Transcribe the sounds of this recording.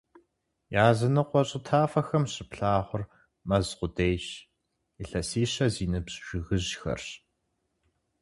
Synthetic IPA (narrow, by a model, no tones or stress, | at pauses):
jaːzɐnɨqʷɔɕʼɪtʰaːfɐxɐmɕɪpɬaːʁʷʊr | mɐzqʷʊdejɕ | iɬɐsiːɕɐziːnɨbɕʒ̥ʷɪɣɨʑxɐ̰rɕ